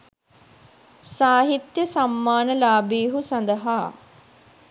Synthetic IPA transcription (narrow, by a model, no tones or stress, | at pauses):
saːɦit̪jəsamːaːnəlaːbiːɦusɐnd̪əɦaː